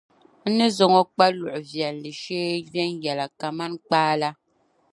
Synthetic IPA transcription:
n̩˦nɨ˦zɔ˨ŋɔ˦k͡pa˦lu˨ʔʊ˨vjɛ˨lli˨ʃeː˦vɛ˦njɛ˨la˨ka˨ma˦nk͡paː˦la˦

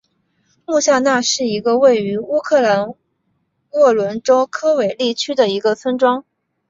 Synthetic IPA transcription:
mu˥˧ɕja˥˧na˥˧ʂɻ̩˥˩i˧˥ɡə˧we˥˩ɪy˧˥u˥kʰɤ˥˩la˧˥n | wɔ˥˩lwə˧˥nʈ͡ʂo˥ʊkʰɤ˥we˨˩ɪli˥˩t͡ɕʰy˥d̪ə˨i˧˥ɡə˧t͡sʰə˥nʈ͡ʂwɑ˥ŋ

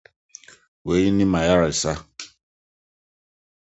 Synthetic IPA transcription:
we˨˦ji˦ni˦ma˨ja˦ɾɪ˨sa˦

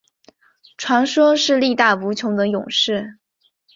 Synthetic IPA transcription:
ʈ͡ʂʰwa˧˥nʂwɔ˥ʂɻ̩˥˧li˥˧t̪a˥˩pu˧˥t͡ɕʰjʊ˧˥ŋd̪ə˧jʊ̰˨˩ŋʂɻ̩˥˩

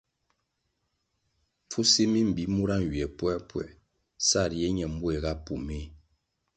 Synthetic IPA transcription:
fu˦se˦mi˦m̩˨bi˨˦mu˦ɾa˦n˨ɥi˨ɛ˨pwɛ˦pwɛ̰˨ | sa˦˨ɾjɛ˦ɲɛ˨m̩˦bu˦e˨ɣa˦pu˨me˦˨

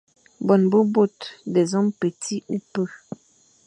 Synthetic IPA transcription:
bɔ˨nbo˦bo˦˨tdɛ˨zɔ˦mpə˨tʰi˦u˦pə˦˨

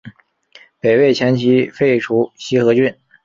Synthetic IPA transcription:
pe˨˩ɪwe˥˩ɪt͡ɕʰjɛ˧˥nt͡ɕʰi˧˥fe˥˩ɪʈ͡ʂʰu˧˥ɕi˥xɤ˧˥t͡ɕy˥˩n

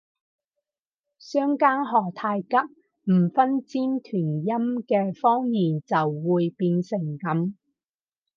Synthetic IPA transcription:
sœː˥ŋkaː˥nɦɔː˨t̪ʰaː˧jkɐ˥k̚ | m̩˨˩fɐ˥nt͡siː˥mt̪ʰyː˨˩njɐ˥mkɛː˧fɔː˥ŋjiː˨nt͡sɐ˨wːuː˨jpiː˧nsɪ˨˩ŋkɐ˨˥m

